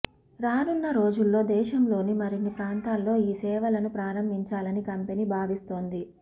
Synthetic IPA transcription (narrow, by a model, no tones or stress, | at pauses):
ɾaːnunːɐɾo̞ːd͡ʒulːo̞ːd̪ɛːʃɐmlo̞ːnimɐɾinːipɾaːnt̪aːlːo̞ːiːsɛːʋɐlɐnupɾaːɾɐmbʱiɲt͡ʃaːlɐnikɐmpe̞niːbʱaːʋist̪o̞ːnd̪i